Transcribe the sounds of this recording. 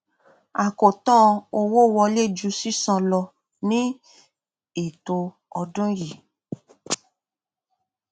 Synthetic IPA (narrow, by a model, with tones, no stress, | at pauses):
a˨ko˨tɔ̃˦o˧wo˦wɔ˧le˦˨d͡ʒu˧si˦sã˧lɔ˧ | nĩ˦ | e˨to˧ | ɔ˧dũ˦ɾi˨